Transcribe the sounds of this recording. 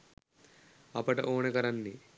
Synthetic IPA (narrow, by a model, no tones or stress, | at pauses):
ɐpɐʈɐ̰ʔoːnɐkɐɾɐnːi